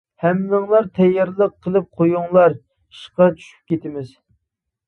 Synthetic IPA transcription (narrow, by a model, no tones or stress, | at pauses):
hɛmnɨŋlˠɑɾt̪ʰɛjːɑɾlˠəqʰːəlˠɨp̚qʰojuŋlˠɑɾ | iʃqɑt͡ʃʰy̥ʃy̥p̚kʲet̪ɪmɪz